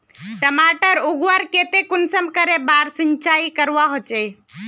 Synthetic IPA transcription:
ʈəmaʈəɾuɡʋəɾket̪ekunsəmkəɾebaɾsuɲt͡ʃaikəɾʋaɦot͡ʃe

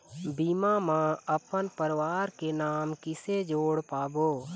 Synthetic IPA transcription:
biːmamãəpənpəɾwaːɾkenaːmkɪsed͡ʒoːɽpaːboː

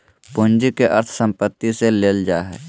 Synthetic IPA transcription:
pʊnd͡ʒikeʔəɾt̪ʰsə̃mpət̪ːiseleːld͡ʒaːɦɛ̰ː

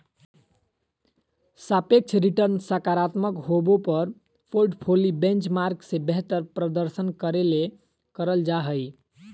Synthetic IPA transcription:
sapek̚t͡ʃʰɾiʈəɾnsəkaɾat̪məkɦobopəɾ | pʰolɖpʰolibẽnt͡ʃmaɾksẽbeɦt̪əɾpɾəd̪əɾsənkəɾele | kəɾəld͡ʒaɦəj

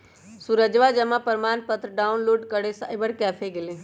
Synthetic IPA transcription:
suɾəd͡ʒʋad͡ʒɐmãpəɾmaːnpət̪ɾəɖaːʊnloːɖkəɽesa̰ːɪbəɽkɛːfʰeɡɪlẽ

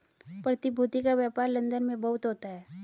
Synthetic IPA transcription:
pɾɐt̪ibʱuːt̪ikaʋjaːpaːɾlɐ̃nd̪ənmẽbɐɦʊt̪ɦoːt̪aɦɛː

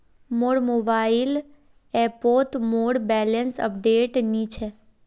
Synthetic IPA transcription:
moɽmobail | epot̪moɽbɛlənsə̰pɖeʈnit͡ʃʰe

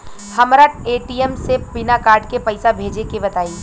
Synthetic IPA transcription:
hɐmɾaʈeːʈiɛmsebɪnakaːɾɖkepɐɪsabʱeːd͡ʒekebɐt̪aːiː

